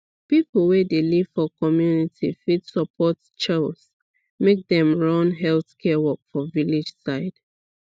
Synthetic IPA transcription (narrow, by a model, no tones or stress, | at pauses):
pipl̩ˠwedeliv̥fɔkɔmjunitʰḭfidsəpʰɔt | t͡ʃɛls | mek̚dɛ̃mɹɔ̃nɦɛlθkʰɛwɔkfɔvilid͡ʒsaɪd̥